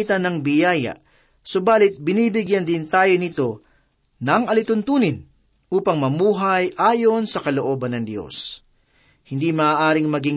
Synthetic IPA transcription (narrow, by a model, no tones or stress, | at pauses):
it̪ɐnɐŋbɪjaːjɐ̰ʔ | sobaːlɪt̪̚bɪniːbɪɡjɐnd̪ɪnt̪aːjonɪt̪o̞ | nɐŋʔɐlɪt̪ʊnt̪uːnɪn | ʔuːpɐŋmɐmuːɦɐjʔaːjo̞nsɐkɐloʔo̞ːbɐnːɐŋd̪jo̞̰s | hɪnd̪imɐaːʔaːɾɪŋmɐɡɪ